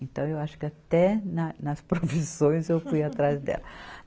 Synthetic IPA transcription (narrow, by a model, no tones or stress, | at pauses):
ẽnt̪ɐ̃w̃ewaʃʊ̥kɪat̪ɛnɐnɐspɾofisõj̃zewfujat̪ɾazd̪ɛ̰lɐ